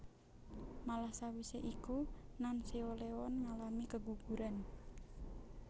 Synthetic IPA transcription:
malahsawiseʔikunanseolewɔnŋalamikəɡuɡ̥uɾan

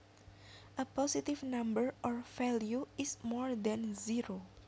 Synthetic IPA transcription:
ʔəpɔsit̪ifnãmbəɹʔɔɹfɛljuɪsmɔɹd̪ɛ̃nziɾo

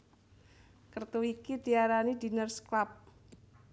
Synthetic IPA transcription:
kərt̪uikidiaɾanidi̤nərsklap̚

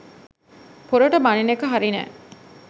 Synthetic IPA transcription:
poɾoʈəbɐninekəɦaɾinæ̰ː

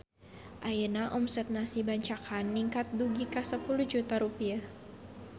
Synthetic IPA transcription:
ʔajənaʔɔmsɛt̪̚nasibaɲt͡ʃakʰanːiŋkat̪̚duɡikasəpuluhd͡ʒut̪aɾupia

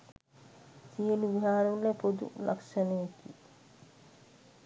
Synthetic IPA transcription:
sijəluʋiɦaːɾʋuləpod̪ṵlʔa̰kʃənəjeki

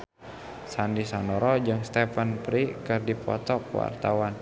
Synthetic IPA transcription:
sandisɔnɔɾɔd͡ʒɨŋst̪ɛfənpɾikɨrdipɔ̰t̪ɔkwa̰rt̪awan

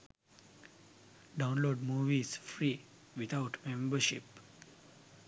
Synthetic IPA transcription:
ɖãʊ̃nloːɖmuːʋizfɾiː | ʋit̪ʰaʊʈmẽmbəʃip

